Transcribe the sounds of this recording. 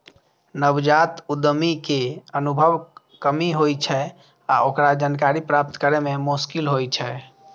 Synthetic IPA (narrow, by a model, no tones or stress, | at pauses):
nəbd͡ʒat̪ud̪mikeənubʱəʋ | kəmiɦojt͡ʃʰɛ | a̰okɾad͡ʒankaɾipɾap̚t̪kəɾɛmemuskilɦojt͡ʃʰɛ